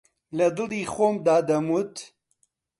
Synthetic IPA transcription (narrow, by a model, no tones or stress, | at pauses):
lɐd̪ɨliːxoːmd̪aːd̪ɐmut̪